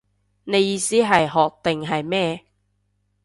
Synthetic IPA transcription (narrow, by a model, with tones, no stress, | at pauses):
ne˨˧jiː˧siː˥ɦɐ˨jɦɔː˨˩k̚t̪ɪ˨ŋɦɐ˨jmɛː˥˧